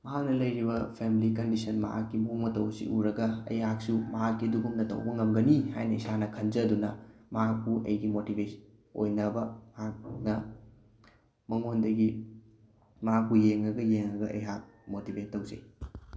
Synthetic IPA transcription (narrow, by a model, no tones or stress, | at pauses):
mɐɦak̚nɐlɐjɾibɐpʰemilikɐndisɐnmɐ̰ɦa̰kːimuŋmɐtɐwsḭʔuɾɐɡɐɐ̰jɦak̚sumɐɦakːiduɡumnɐtɐ̰wbɐŋɐmɡɐnihajnɐisanɐkʰɐnd͡ʒɐːdunɐmɐɦak̚puʔɐ̰jɡimotibes | o̰jnɐbɐmɐɦak̚nɐ | mɐŋondɐɡi | mɐɦak̚pujeŋɾɐɡɐjeŋɾɐɡɐʔɐ̰jɦak̚motibʱetːɐwzɐ̰j